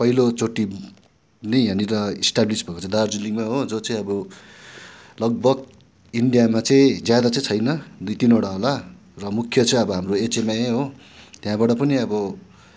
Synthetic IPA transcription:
pʌɦilot͡soʈi | nʌjãniɾʌisʈablisbʌkot͡sʌ̃ĩd̪ard͡zuliŋmaɦod͡zot͡sʌ̃ĩʌbʌ | lʌɡ̚bʌɡ | iɳɖijamat͡sʌĩd͡zjad̪at͡sʌ̃ĩt͡sʰʌjnʌd̪ujt̪inoɽaɦola | rʌmukʰːjʌt͡sʌj̃ʌbʌɦamroet͡semaeɦo | t̪jãbaɽʌpʌniʌbʌ

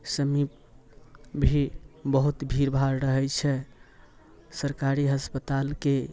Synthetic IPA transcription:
səmip̚ | bʱibəɦut̪bʱiɾbʱaɾɾəɦɛt͡ʃʰɛ | səɾkaɾiɦəspət̪alke

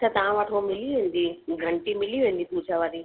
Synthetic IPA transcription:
t͡ʃʰat̪ɐɦãʋəʈʰomɪliʋẽnd̪iɡʱəɳʈimɪliʋẽːn̆d̪ipuːd͡ʒaʋaːɾi

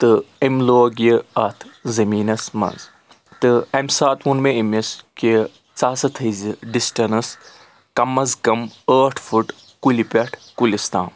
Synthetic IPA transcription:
t̪ɨɐmloːɡjɐɐt̪ʰzɐmiːnɐsmɐ̰nz | t̪ɨɐmsaːt̪unmeɐmɐski | t͡saːsɐt̪ʰɐziɖisʈɐnɐs | kɐmːɐzkɐməːʈʰfʰuʈ | kulipʲɐʈʰkulʲist̪a̰ːm

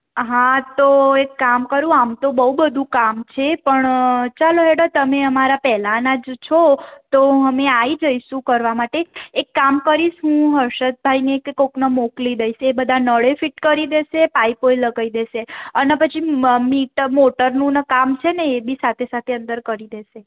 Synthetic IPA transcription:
ɦãt̪oekːamkəɾũamt̪obəɦubəd̪ʱũkamt͡ʃʰepəɳt͡ʃaloɦeɽat̪əmeəmaɾapɛɦlanad͡ʒt͡ʃʰot̪oɦəmeaid͡ʒəiʃũkəɾʋamaʈeːkːamkəɾiʃɦũɦəɾʃət̪̚bʱaineːkkoknəmoklid̪əiʃebəd̪ʱanəɭefiʈkəɾid̪eʃepaipoiləɡaid̪eʃeənepət͡ʃʰimiʈmoʈəɾnũnəkamt͡ʃʰeneːbʱisat̪ʰesat̪ʰeənd̪əɾkəɾid̪eʃe

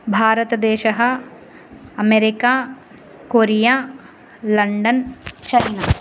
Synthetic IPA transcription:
bʱaːɾɐt̪ɐd̪eːʃɐɦɐ̆ | ɐmeɾikaː | koːɾijaː | lɐɳɖɐnt͡ʃɐna

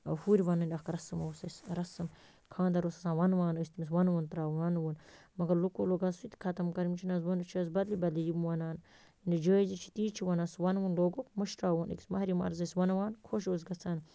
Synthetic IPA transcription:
ɐ̰huːɾʲiʋɐnɨnʲɐxkɾɐsɨmɐːsɐsɾɐsɨm | kʰãːnd̪ɐɾoːsɐsaːnʋɐnʋaːnəsʲt̪imis̬ʋɐnʋənt̪ɾaːwwɐnʋənmɐɡɐɾlukoloːɡɐnsut̪i̥kʰɐt̪ɐmkɐɾmit͡ʃʰinɐs̬wɐnt͡ʃʰiɐs̬bɐd̪libɐlijimwɐnaːn | ndɐd͡ʒəːizit͡ʃʰi̥t̪iːt͡ʃʰiʋɐnɐsʋɐnʋunloːɡopmɐʃʈɾaːənḭksmɐɾimɐ̰ɾzɐsʋɐnʋaːnkʰoːʃ̬oːs̬ɡɐt͡sʰaːn

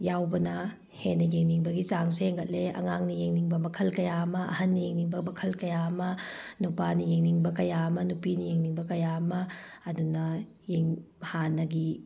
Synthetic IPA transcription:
jawbɐnɐ | henːɐjeŋniŋbɐɡit͡ʃaŋsejeŋɡɐt̚leɐ̰ŋaŋnijeŋniŋbɐmɐkʰɐlkɐjamɐɐ̰hɐnːijeŋniŋbɐmɐkʰɐlkɐjamɐ | nupanijeŋniŋbɐkɐjamɐnupinijeŋniŋbɐkɐjamɐːdunɐ | jeŋhanɐɡi

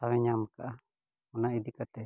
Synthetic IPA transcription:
awɛɲamkaʔa | ɔnaid̪ikat̪ɛ

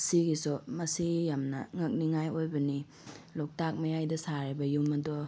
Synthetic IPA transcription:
siɡisɔmɐsijamnɐ̰ŋɐk̚niŋajojbɐni | lɔk̚tak̚mɐjajdɐsaɾibɐjumɐdɔ

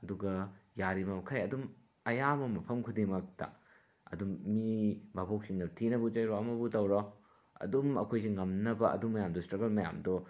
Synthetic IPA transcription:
ɐduɡɐjaɾimɐmkʰajɐdum | ɐjamɐmɐpʰɐmkʰudimɐk̚tɐ̰ | ɐ̰dumːibʱabok̚siŋnɐtʰinɐbut͡ʃɐjɾɔɐmɐbutɐwɾɔ | ɐ̰dumɐ̰kʰojsiŋɐmnɐbɐʔɐ̰dumːɐjamdɔstɾɐɡɐlmɐja̰mdɔ

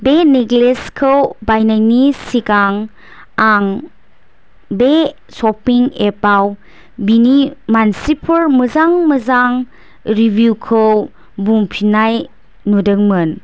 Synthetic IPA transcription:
beneɡleskʰɯwbajnajnisikaŋ | aŋ | be | sɔpiŋepaw | binimansipʰəɾmɯzaŋmɯzaŋ | ɾibʱjukʰɯw | buŋpʰinaj | nudɯŋmɯn

